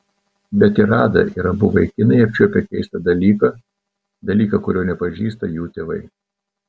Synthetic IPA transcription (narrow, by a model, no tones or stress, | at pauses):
bʲɛt̪ɪɾɑːd̪ɐ̰ʔiɾɐbʊʋɐɪkʲɪnɐɪɐpʲt͡ʃʲuɔpʲɛkʲɛɪst̪ɐd̪ɐlʲiːkɐ | d̪ɐlʲiːkɐkʊɾʲoːnʲɛpɐʒʲiːst̪ɐjuːt̪ʲeːʋɐɪ